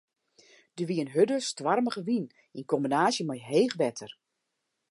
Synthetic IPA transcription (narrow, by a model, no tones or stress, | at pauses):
d̥əʋiənɦødəstʋarməɣəʋin | inkɔmbinaːsjəmajɦeːɣʋɛtʰər